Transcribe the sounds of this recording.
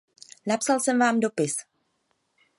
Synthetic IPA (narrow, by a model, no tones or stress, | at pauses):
napsalsɛmvaːmdo̞pɪs